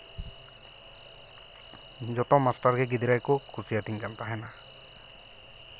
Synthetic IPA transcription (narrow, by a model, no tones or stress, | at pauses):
d͡ʒɔt̪ɔmasʈaɾɡɛɡid̪iɾajkɔkʰusijat̪iŋkant̪aɦɛna